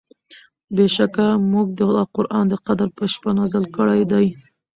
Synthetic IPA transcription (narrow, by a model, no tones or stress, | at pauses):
beʃakamuɡ̚d̪əqʊɾʔɑnd̪əqad̪aɾpəʃpanɑzɪlkəɽajd̪aj